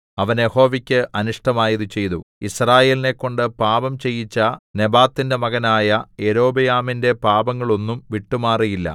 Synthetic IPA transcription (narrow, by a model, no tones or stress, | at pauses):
ɐʋɐnje̞ho̞ːʋikʲːɨʔɐnuʂʈɐmaːjɐðut͡ɕe̞jt̪uisraːje̞ːline̞kːo̞ɳɖɨpaːbɐmt͡ɕe̞jːit͡ɕːɐne̞baːt̪ːinde̞mɐɣɐnaːjɐeɾo̞ːbɐjaːminde̞paːbɐŋːɐɭo̞nːumʋiʈːumaːrijilːɐ̰